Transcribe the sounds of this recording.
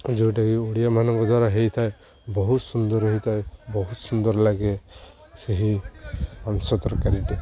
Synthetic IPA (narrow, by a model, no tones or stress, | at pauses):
d͡ʒoʈakioɽijamanɔŋkɔd̪ʱwaɾaɦejt̪ʰae | bɔɦut̪sund̪ɔɾɦeɦit̪ʰaebɔɦut̪sund̪ɔɾlaɡe | seɦi | ansɔt̪ɔɾɔkaɾiʈi